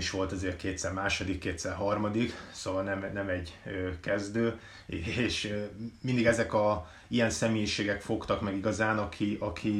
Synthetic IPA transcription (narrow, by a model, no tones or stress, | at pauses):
iʃʋo̞lt̪ɒzeːrkeːt̪sɛrmaːʃod̪ikːeːt̪sɛrɦɒrmɒd̪iksoːvɒlnɛmnɛmɛɟøkɛzd̪øː | eeːʃmind̪iɡɛzɛkɒ | ijɛnsɛmeːjiʃeːɡɛkfo̞kt̪ɒkmɛɡiɡɒzaːnɒkʰiʔɒkʰi